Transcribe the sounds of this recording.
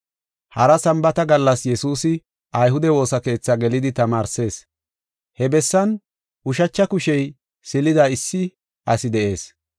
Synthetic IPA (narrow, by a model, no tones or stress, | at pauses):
hɐɾɐsɐmbɐt̪ɐɡɐlːɐsjɛsuːsɪ | ʔɐjɦʊd̪ɛwo̞ːsɐke̞ːt͡sːɐɡɛlɪd̪ɪt̪ɐmaːɾse̞ːs | hɛbɛsːɐn | ʔʊʃɐt͡ʃːɐkʊʃɛj | sɪlɪd̪ɐɪsːɪ | ʔɐsɪd̪ɛʔe̞ːs